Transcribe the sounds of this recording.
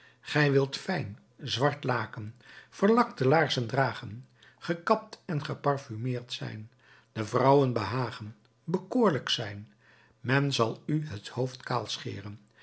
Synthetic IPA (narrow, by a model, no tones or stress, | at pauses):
χɛjʋɪlˠtfɛjn | zʋɑɹtlaːkənv̥əɹlɑktəlaːɹzəndraːχən | χəkɑp̚tɛnχəpɑrfymɪːɹtsɛ̰jn | dəvrʌwənbəɦaːχən | bəkoːɹləksɛjn | mɛnzɑlˠyɦəthowftkaːlˠsχɪ̰ːrən